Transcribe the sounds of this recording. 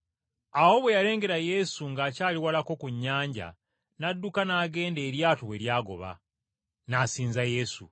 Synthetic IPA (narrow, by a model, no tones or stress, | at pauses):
awo̞βwe̞jale̞ːŋɡe̞ɾaje̞suŋɡaːcaːliwalako̞kuɲːaːɲɟa̰ | nadːukanaːɡe̞ːnde̞ːɾjaːtowe̞ɾjaːɡo̞̰βa̰ | nasiːnzaje̞sṵ